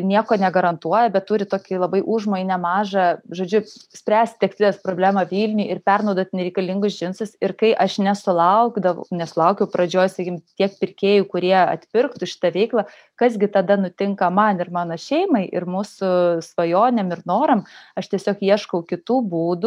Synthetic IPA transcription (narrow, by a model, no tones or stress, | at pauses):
nʲiɛkoːnʲɛɡɐɾɐnt̪uɔjɛbʲɛt̪tuːɾʲɪt̪oːkʲɪlˠɐbɐɪʔuʒmoːjɪnʲɛmɑːʒɐʒoːd͡ʒʲʊsʲpʲɾʲæːsʲt̪ʲt̪ʲɛksʲt̪ʲlʲɪɛspɾoːblʲæːmɐʋʲiːlʲnʲʊjɪrpʲɛrnɐʊd̪oːt̪nʲɛɾʲɛɪkɐlʲɪŋɡʊsʒʲɪnsʊsɪɾkɐɪʔɐʃnʲɛsʊlˠɐʊɡd̪ɐʋnʲɛsʊlˠɐʊkʲɛʊpɾɐd͡ʒʲoːjsɐkʲimt̪ʲiɛk̚pʲɪrʲkʲeːjukʊɾʲiɛɐ̰t̪ʲpʲɪrkt̪ʊʃʲɪ̥t̪ɐʋʲɛɪklˠɐ | kɐsɡʲɪt̪ɐd̪ɐnʊt̪ʲɪŋkɐmɐnɪrmɑːnoːʃʲɛɪmɐɪʔɪrmuːsʊsʋɐjoːnʲemɪrnoːɾɐmɐʃt̪ʲiɛsʲoːkiɛʃkɐʊkʲɪt̪uːbuːd̪ʊ